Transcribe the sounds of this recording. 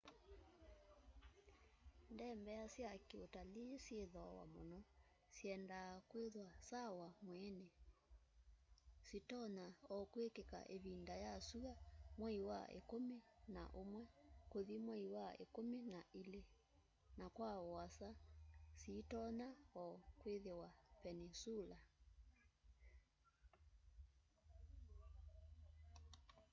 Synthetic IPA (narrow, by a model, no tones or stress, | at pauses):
ndɛmbɛasjakeotalisjeðɔwa̰mɔ̰nɔ | siɛndakweðwasawamwɛne | sitɔnaɔkwekeka̰ʔeβindajasuɣamwɛiwa̰ʔḛkomena̰ʔomwɛkoðimwɛiwaḛkominaʔile | nakwaɔasasitɔnaɔkweðewapɛnisula